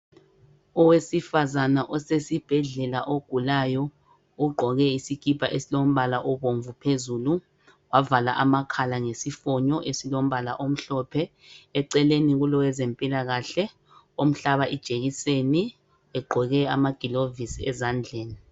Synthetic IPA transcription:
ɔwesifazanaʔɔsesib̥ʱɛɮɛlaʔoɡ̥ʱulajɔ | uɡ͡ǃʱɔɣɛisikipʰʼaʔesilom̩βalaʔɔβoɱvupʰezulu | wavalaʔamakʰalaŋesifɔɲɔʔesilom̩βala̰ʔom̩ɬɔpʰɛː | ǀɛleniɣulɔwɛzempʼilaɣaɬɛ | om̩ɬaβaʔid̥ʒ̥ʱeɣiseni | ɛɡ͡ǃʱɔɣɛamaɡ̥ʱilovisiɛzand͡ɮʱeːni

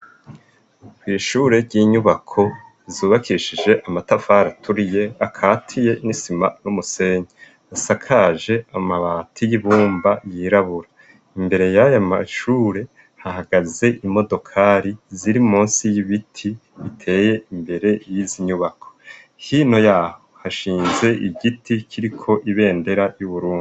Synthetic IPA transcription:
kwiːʃuːɾe̞ɾɟiːɲuβakʰo̞ | zuβakʰiʃid͡ʒe̞ʔamatafaːɾatʰuɾije̞akʰaːtʰije̞nisimanumuse̞ɲe | asakʰaʒe̞amaβaːtʰijiβuːmbajiɾaβuɾa | imbe̞ɾe̞jajamaʃuːɾe̞ | hahaɡ̥aze̞ʔimo̞do̞kʰaɾiziɾimuːnsijiβitʰi | βitʰe̞ːje̞imbe̞ɾe̞jiziɲuβakʰo̞̥ | hiːno̞jaːho̞haʃiːnze̞ʔiɟitʰikʰiɾikʰo̞ʔiβe̞ːnde̞ɾajuβuɾuːŋɡu

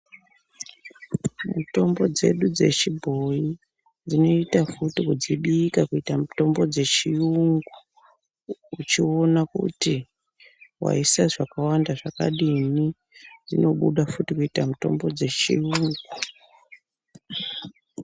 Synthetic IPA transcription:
muto̞mbo̞d͡ze̞ɗud͡ze̞̰t͡ʃibʱo̞ji | d͡zino̞itafutikud͡ziɓiːkakuitamuto̞mbo̞d͡ze̞t͡ʃiuŋɡu | ut͡ʃio̞nakṵti | wa̰isaʐakawandaʐaka̰ɗini | d͡zino̞ɓuɗafutikuitamuto̞̰mbo̞d͡ze̞t͡ʃiuŋɡu

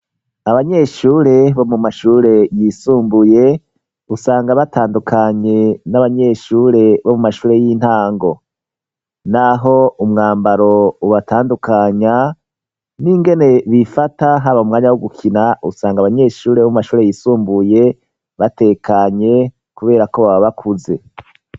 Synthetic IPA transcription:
aβaɲe̞ʃuːɾe̞βo̞mumaʃuːɾe̞jisuːmbuje̞ | usaːŋɡaβatʰaːndukʰaɲe̞naβaɲe̞ʃuːɾe̞βo̞mumaʃuːɾe̞jin̥haːŋɡo̞ | naɦo̞umŋaːmbaɾo̞uβatʰaːndukaɲa | niŋɡe̞ne̞βifataɦaβaumŋaːɲawoɡukʰinaʔusaːŋɡaβaɲe̞ːʃuːɾeβomumaʃuːɾe̞jiːsuːmbuje̞ | βate̞ːkaɲe̞ | kuβe̞ːɾako̞βaβaβakʰuze̞

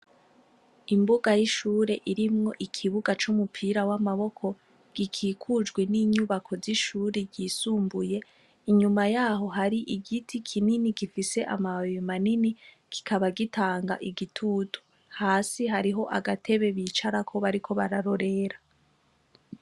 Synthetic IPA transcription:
imbuɡajiʃuːɾe̞ʔiɾimŋo̞ʔikʰiβuɡat͡ʃumupʰiɾawamaβo̞kʰo̞ | ɡ̥ikʰiːkʰud͡ʒɡwe̞niːɲuβakʰo̞ziʃuːɾeɟiːsuːmbuje̞ | iɲumajaːɦo̞ɦaɾiʔiɡitʰikʰininiɡifise̞ʔamajimanini | ki̥kʰaβaɡitʰaːŋɡa̰ʔiɡitʰutʰu̥ | haːsiɦaɾiɦo̞ʔaɡatʰe̞βe̞βiːt͡ʃaɾakʰo̞βaɾikʰo̞βaɾaɾo̞ɾe̞ɾa

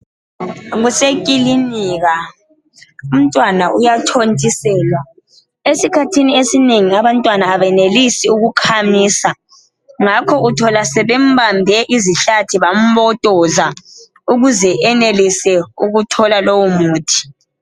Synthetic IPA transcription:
ɣusekʼiliniːɣa | um̩tʼwanaʔujatʰontʼisɛːlwa | esikʰatʰiniesineŋiaβantʼwanaːβɛnelisiuɣukʰamiːsa | ŋakʰɔutʰɔlasɛβɛm̩bambʱɛʔiziɬatʰiβam̩βɔtʼɔza | uɣuzɛɛnelisɛuɣutʰɔlalowumuːtʰi̥

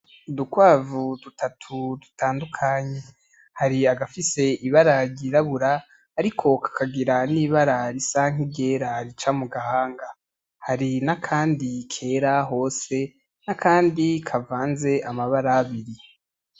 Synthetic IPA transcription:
dukwaːvudutʰatʰudu̥tʰaːndukʰaɲe̞ | haɾiaɡafise̞iβaɾaɾɟiɾaβuɾaː | ɾikʰo̞kʰḁkʰaɡiɾaniːβaɾaɾisaŋ̥iɟe̞ːɾaɾit͡ʃamuɡahaːŋɡa | haɾinakʰaːndikʰe̞ːɾaɦo̞ːse̞ | nakʰaːndikʰavaːnze̞ʔamaβaɾaːβiɾi

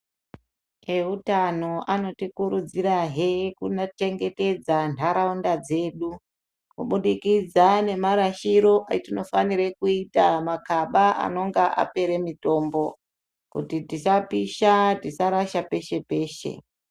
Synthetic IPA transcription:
eutano̞ʔano̞tikuɾud͡ziɾaɦekunat͡ʃe̞ŋɡe̞te̞d͡zantʰaɾaundad͡ze̞ːɗu | kuɓuɗikid͡zane̞maɾaʃiɾo̞ʔatino̞faniɾekuitamakaɓaa̰no̞ŋɡaʔa̰pe̞ɾe̞mito̞ːmbo̞ | kṵtitit͡ʃapiʃatisaɾaʃape̞ʃe̞pe̞ːʃe̞̰

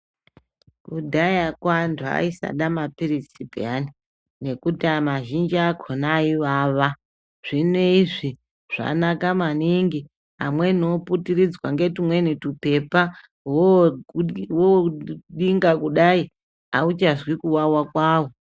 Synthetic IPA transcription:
kudʱajakwantʰua̰isa̰ɗamapirisibʱḭani | ne̞kutiamaʒind͡ʒiakʰonaiʋaːʋa | ʐ̥ine̞iʐi | ʐ̥a̰nakamaniŋɡi | amwe̞noputirid͡zwaŋɡe̞timwe̞nitupe̞pa | wo | woɗiŋɡakuɗai | aut͡ʃazwikuwawakwaːwo̞

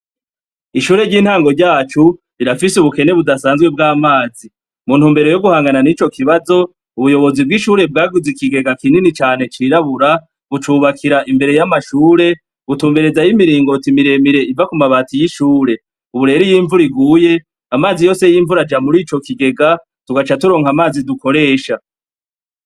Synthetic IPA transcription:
iʃuːɾe̞ɾɟiːn̥haːŋɡo̞ɾɟaːt͡ʃu | iɾafisuβuke̞ne̞βudasaːnzɡwe̞b̚ɡaːmaːzi | muːn̥huːmbe̞ɾo̞jo̞ɡuhaːŋɡananit͡ʃo̞kʰiβazo̞ | uβujo̞βo̞zib̚ɡiʃuːɾe̞b̚ɡaːɡuzikiɡe̞ɡakininit͡ʃaːn̥e̞t͡ʃiːɾaβuɾa | βut͡ʃuːβakʰiɾaʔimbe̞ɾe̞jamaʃuːɾe̞ | βutuːmbe̞ɾe̞zajimiɾiːŋɡo̞timiɾe̞miɾe̞ivakumaβaːtijiʃuːɾe̞ | uβuɾe̞ɾijiːɱvuɾiɡuːje̞ | amaːzijo̞ːse̞jiːɱvuɾad͡ʒamuɾiːt͡ʃo̞kiɡe̞ɡa | tuɡat͡ʃatuɾo̞ːŋhamaːziduko̞ɾe̞ːʃa

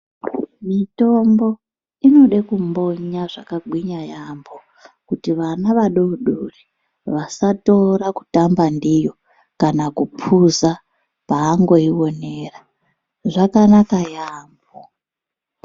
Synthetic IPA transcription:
mito̞mbo̞ | ino̞ɗekumbo̞ɲaʐakaɡwiɲajambo | kutiʋanaʋaɗouɗuri | ʋasato̞ɾaku̥tambandijo̞ | kanakupʰuza | paːŋɡoiwo̞neːra | ʐakanakajaːmbo

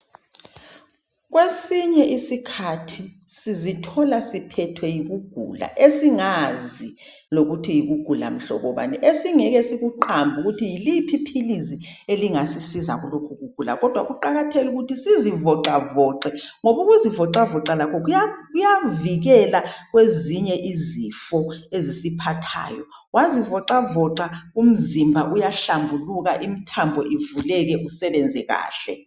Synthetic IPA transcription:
k̬wesiɲɛʔisikʰatʰi | sizitʰɔlasipʰɛtʰwɛjik̬uɡ̥ʱṵla̰ʔesiŋazi | lok̬utʰijik̬uɡ̥ʱula̰m̩ɬɔ̰ɓɔɓa̰nɛʔesiŋɛk̬ɛsik̬uǃambʱuk̬utʰijilipʰipʰilizieliŋasisizak̬ulokʰuk̬uɡ̥ʱula̰k̬ɔd̥ʱwak̬uǃak̬atʰeluk̬utʰisizivɔǃavɔːǃɛŋoɓuɣuzivɔǃavɔǃalakʰɔk̬ujakujaviɣ̬ɛlak̬weziɲɛʔizifɔezisipʰatʰa̰ːjɔ | wazivɔǁavɔǃaum̩zimbʱaʔujaɬambʱuluk̬aʔimitʰambʱɔʔivulɛk̬ɛʔusɛɓɛnd͡zʱɛɣa̰ːɬɛ̰

